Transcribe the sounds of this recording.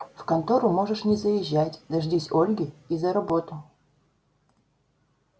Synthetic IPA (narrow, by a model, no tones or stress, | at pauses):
fkɐnt̪oɾʊmo̞ʐɨʂnʲɪzəjɪʑːætʲd̪ɐʐdʲisʲolʲɡʲɪizɐɾɐbo̞t̪ʊ